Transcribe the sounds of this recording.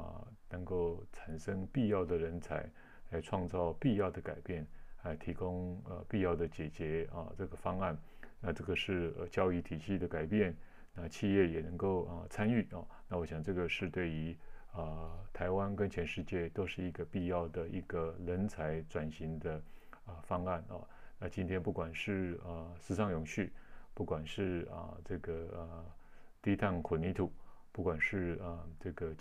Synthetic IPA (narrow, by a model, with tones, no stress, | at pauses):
nə˧˥ŋko˥˩ʊʈ͡ʂʰa˨˩nʂə˥ŋpi˥˧jɑ˥˩ʊd̪ə˩ɻə˧˥nt͡sʰa˧˥ɪ | la˧˥ɪʈ͡ʂʰwɑ˥˧ŋt͡sɑ˥˧ʊpi˥˧jɑ˥˩ʊd̪ə˩ka˨˩ɪpjɛ˥˩nla˧˥ɪt̪ʰi˧˥kʊ˥ŋə̰˧pi˥˧jɑ˥˩ʊd̪ə˩t͡ɕjɛ˨˩t͡ɕjɛ˧˥ə̰˧ʈ͡ʂɤ˥˩ɡə˩fɑ˥ŋa˥˩n | na˥˧ʈ͡ʂɤ˥˩ɡə˩ʂɻ̩˥˩ə̰˧˩t͡ɕjɑ˥ʊi˧˥t̪ʰi˨˩ɕi˥˩d̪ə˩ka˨˩ɪpjɛ˥˩n | na˥˧t͡ɕʰi˥˧jɛ˥˩jɛ˨˩nə˧˥ŋko˥˩ʊə˧t͡sʰa˥ny˥˩˥na˥˩wɔ˧˥ɕjɑ˨˩ŋʈ͡ʂɤ˥˩ɡə˩ʂɻ̩˥˧t̪we˥˩ɪy˧˥ə˧˩t̪ʰa˧˥ɪwa˥nkə˥nt͡ɕʰjɛ˧˥nʂɻ̩˥˧t͡ɕjɛ˥˩t̪o˥ʊʂɻ̩˥˩i˧˥ɡə˧pi˥˧jɑ˥˩ʊd̪ə˩i˧˥ɡ̥ə˧lə˧˥nt͡sʰa˧˥ɪʈ͡ʂwa˨˩nɕi˧˥ŋd̪ə˧ | ə˧fɑ˥ŋa˥˩nɐ̰˧ | na˥˧t͡ɕi˥nt̪ʰjɛ˥npu˥˩kwa˨˩nʂɻ̩˥˩ə˧˩sɹ̩˧˥ʂɑ˥˩ŋjʊ˨˩ŋɕy˥˩pu˥˩kwa˨˩nʂɻ̩˥˧ə̰˧ʈ͡ʂɤ˥˩ɡə˩ə˩t̪i˥t̪ʰa˥˩nkʰu˨˩ni˧˥t̪ʰu˨˩˦pu˥˩kwa˨˩nʂɻ̩˥˧ə˩ʈ͡ʂɤ˥˩ɡə˩